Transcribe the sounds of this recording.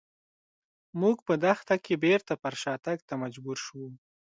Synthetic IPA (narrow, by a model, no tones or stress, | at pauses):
muɡpəd̪axt̪akebeɾt̪apaɾʃɑt̪aɡ̚t̪amad͡ʒbuɾʃəwu